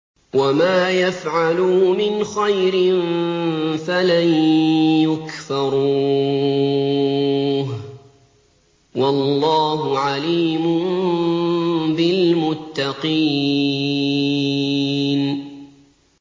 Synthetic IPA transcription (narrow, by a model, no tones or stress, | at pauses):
wamaːjafʕalumɪnxajɾɪn | falajjʊkfɑɾˤuː | ɦ | wɑlːɑːɦʊʕaliːmʊm | bɪlmʊt̪ːɑqiː | n